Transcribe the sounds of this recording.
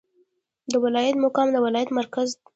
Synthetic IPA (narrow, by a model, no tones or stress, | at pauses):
d̪əwɪlɑjat̪mʊkɑmd̪əwɪlɑjat̪maɾkaz